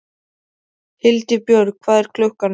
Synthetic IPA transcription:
hɪlt̪ɪpjœɾkʰvaːðɛɾ̥kʰlœhkan

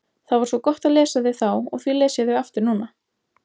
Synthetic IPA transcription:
θaðvaɾ̥svɔkɔht̪aðlɛːsaðɪθawɔ̰ɣθwilɛːsaðɪaft̪ʏɾnuːna

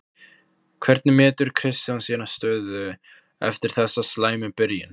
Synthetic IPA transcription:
kʰv̥ɛɾt̪̚nɪmɛːt̪ʏɾ̥kʰɾɪst̪jawnsiːnḁst̪œːðʏ | ɛ̰ft̪ɪɾ̥θɛsːaslaːjmɪpɪɾjɪn

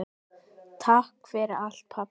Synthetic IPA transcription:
t̪ʰahkfɪɾɪɾal̥t̪̚pʰa

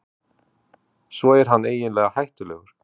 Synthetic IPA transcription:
svɔɛɾ̥ɦanːeːjɪnlɛːɣahajht̪ʏlɛːɣʏɾ̥

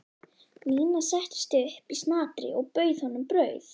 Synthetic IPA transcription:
miːnasɛht̪ɪ̥st̪ʏhpist̪naːt̪ɾɪ̰ʔɔɣpœːɥðhɔnːʏmpɾœːɥθ

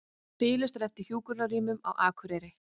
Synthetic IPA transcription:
pɪːlɪst̪ɾɛft̪ɪɾ̥çjuːkʏɾnaɾiːmʏma̰wʔaːkʰʏɾɛːɾɪ

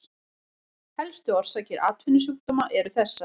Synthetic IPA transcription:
hɛlst̪ʏɔr̥saːcɪɾa̰t̪vʏnːʏs̬uk̚t̪ɔmaʔɛɾʏθɛsːa

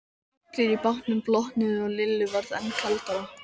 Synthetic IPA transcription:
t̪ɪɾipawht̪nʏmplɔht̪nɪðʏɔɣlɪlːʏvaɾðɛ̰nkʰalt̪a

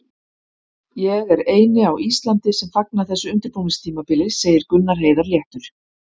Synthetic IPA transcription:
jɛɣɛɾeːjnɪawʔist̪lant̪ɪsɛmfak̚naθɛsːʏʏnt̪ɪɾpuwmɪŋst̪ʰiːmapɪlɪseːjɪɾkʏnːaɾ̥ɦeːjðaɾljɛht̪ʏɾ̥

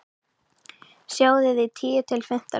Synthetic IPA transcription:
sjaːwðɪðɪt̪ʰiːt̪ʰɪlfɪm̥t̪a̰

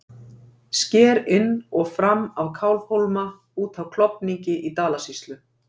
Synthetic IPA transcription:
scɛːɾɪnːɔɣfɾamːawkʰawlvhowlma | uːt̪awkʰlɔpniɲcɪʔit̪aːlasist̪lʏ

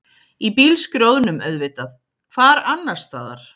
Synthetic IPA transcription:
ipiːlskɾjowðnʏmœðvɪt̪að | kʰvaːɾanːaɾ̥st̪aða̰ɾ̥

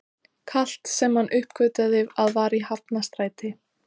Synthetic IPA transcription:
kʰal̥t̪sɛmhanːʔʏhpkœːɥt̪aðɪvaðvaːɾihapnast̪ɾaːjt̪ɪ

